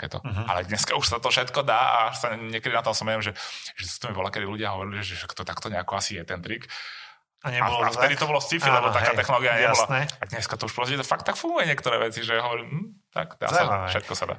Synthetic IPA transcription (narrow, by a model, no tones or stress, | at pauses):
t̪akɛ̰ːt̪ɔ̰a̰lɛd̪ɲɛskauʃsat̪ɔfʃɛt̪kɔd̪aːa̰aʃsaɲːɪɛkɛd̪inat̪ɔasɔmɛɛmʒɛʒ̥ɛt̪ɔ̥t̪ɔmibɔlakɛd̪iluɟɪaɦɔʋɔɾiliʒɛʒɛʃakt̪ɔt̪akt̪ɔɲɛakɔasijɛt̪ɛnt̪ɾik | aɲɛaɔla̰ft̪ɛd̪it̪ɔbɔlɔst͡sifilɛbɔtt̪akkaːt̪ɛxnɔlɔːɡijaɲɛbɔlanɛad̪ɲɛskat̪ɔuʃpɾɔsɟɛt̪ɔfak̚t̪ːakfuŋɡujɛɲɪɛkt̪ɔɾɛːʋɛt͡siʒɛaɦɔʋɔɾiːmm̩ | t̪a̰kd̪a̰ːsafʃɛt̪̚kɔsad̪a̰ː